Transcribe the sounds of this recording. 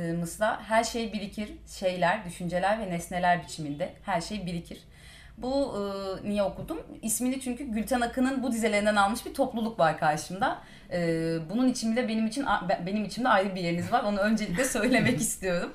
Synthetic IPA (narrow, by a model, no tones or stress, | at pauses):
mɯslˠaɦæɾʃe̞jbiɾʲicʰiɾ̥ʃe̞jlʲæɾd̪yʃynd͡ʒe̞lʲæɾvɛnɛsne̞lʲæɾbit͡ʃʰimind̪ɛhæɾʃe̞jbilʲicʰiɾ̥ | buːnijɛo̞kud̪umisminlʲit͡ʃʰyɲcʰyɟylʲt̪ʰænakʰɯnɯnbud̪izelʲe̞ɾind̪ænalˠmɯʃbiɾt̪ʰo̞plˠulˠukvaɾkʰaɾʃɯmd̪a | ɯːbununit͡ʃʰimind̪ɛbe̞nimit͡ʃʰinabe̞nimit͡ʃʰimd̪ɛajɾɯbije̞ɾinizvaɾo̞nuø̞nd͡ʒe̞lʲiclʲɛsø̞jlʲe̞mɛcist̪ijo̞ɾum